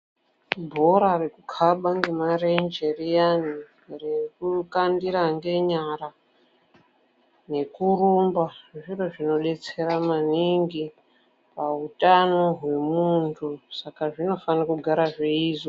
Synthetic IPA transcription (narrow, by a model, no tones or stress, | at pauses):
bʱoɾarekukʰaɓaŋɡe̞marend͡ʒe̞rijani | rekukandiɾaŋɡe̞ɲaɾa | ne̞kurumbaʐʐiroʐino̞ɗe̞t͡se̞ɾamaniŋɡi | pautʼano̞ɦwe̞muntʰusakaʐino̞fanakuɡʱaɾaʐeiːzo